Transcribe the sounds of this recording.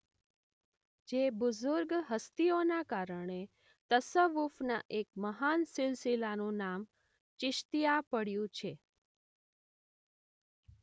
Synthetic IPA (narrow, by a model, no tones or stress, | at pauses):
d͡ʒebʊzʊɾɡɦəst̪ionakaɾəɳe | t̪əsəʋufnaʔek̚məɦansɪlsilanũnam | t͡ʃɪʃt̪ijapəɽjũt͡ʃʰe